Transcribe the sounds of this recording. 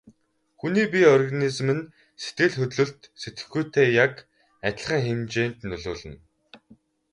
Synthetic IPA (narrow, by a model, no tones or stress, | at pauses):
xuniːp̬iɔrɣanizmɘ̆n | set̪ɡɘ̆ɮxɵt̪ɮɵ̆ɮt̪set̪ɡɘ̥̆xɡujt̪ʰeːjak | æt̪̆ʲɮχəːŋxemt͡ɕeːnt̪nɵɮoːɮɘ̆n